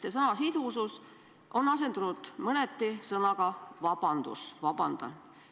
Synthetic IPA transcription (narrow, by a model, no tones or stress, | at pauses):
sesɤnɑsid̪̥usus | ʔo̞nːɑse̞nd̪unud̪̥mɤnet̪ːisɤnɑɡɑvɑb̥ɑnd̪̥ṵsvɑb̥ɑnd̪̥ɑ̰